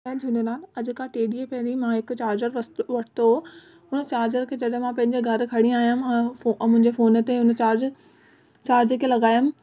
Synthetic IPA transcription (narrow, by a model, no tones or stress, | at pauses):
d͡ʑʰũnenaːlɐd͡ʑʊkaʈeːɗiepɐɾimãɦɪkʊt͡ɕaːɾd͡ʑəɾsʋɐʈʰɪ̥t̪o | ɦʊnət͡ɕaːɾd͡ʑəɾkʰeːd͡ʑɐɗmãpɐ̃ɦɪ̃ɲd͡ʑeɡʱɐɾkʰɐɽĩaːijammʊ̃ɦɪɲd͡ʑefoːnət̪eɦʊn̆t͡ɕaːɾd͡ʑ | t͡ɕaːɾd͡ʑekelɐɡaːjʊm